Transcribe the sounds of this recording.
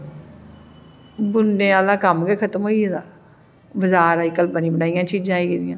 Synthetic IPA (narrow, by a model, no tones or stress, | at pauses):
bʊɳɖẽːaːlãːkəmɡɛːkʰət̪əmɦoːied̪aː | bəzaːɾaːikəlbənĩːbəɽaːijãːt͡ʃiːd͡ʒãːiːkiːd̪ɪjãː